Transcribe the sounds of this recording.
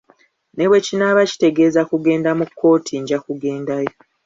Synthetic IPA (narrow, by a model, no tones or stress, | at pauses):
ne̞βwe̞cinaβaci̥te̞ɡe̞zakuɡe̞ːndamukʰːo̞ːtʰiɲɟakuɡe̞ːndajo